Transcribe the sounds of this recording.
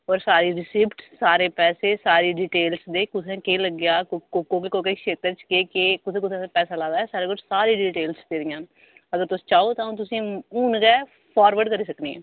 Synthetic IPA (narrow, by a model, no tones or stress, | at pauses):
ɔːɾsaːɾiːɾɪsiːpʈssaːɾeːpɛːseːsaːɾiːɖiːʈeːlsd̪eːkʊt̪ʰẽːkeːləɡjaːkkokoːkekoːkekʃeːt̪əɾt͡ʃkeːkeːkʊt̪ʰẽːkʊt̪ʰɛ̃pɛːsaːlaːd̪aːɛːsaːɾeːkʊd͡ʒsaːɾiːɖiːʈeːlsd̪eːd̪ɪjãː | əɡəɾt̪ʊsĩ̥ːt͡ʃaːoːt̪ãːt̪̬ʊsĩːuːnɡɛː | pʰɔːɾʋəɾɖkəɾiːsəkniːḛː